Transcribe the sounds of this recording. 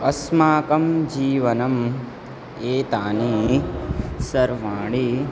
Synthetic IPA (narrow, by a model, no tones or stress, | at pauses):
ɐsmaːkɐmd͡ʒiːʋɐnɐm | eːt̪aːni | sɐɾʋaːɽi